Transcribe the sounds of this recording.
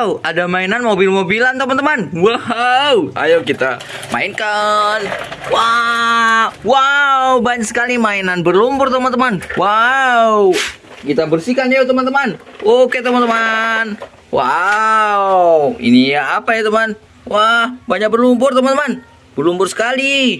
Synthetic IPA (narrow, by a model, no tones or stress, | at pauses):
wadamainanmobilmobilant̪əmant̪əmanwawa̰jokit̪a | ma̰ɪnkanwa | wawbaɲaksə̥kalimainanbərlumbʊrt̪əmant̪əmanwaw | kit̪abərsikand͡ʒat̪əmant̪əmanoket̪əmant̪əman | wa | wḭnijaapajat̪əman | wahbaɲak̚bərlumbʊrt̪əmant̪əman | bərlumbʊrsə̥kali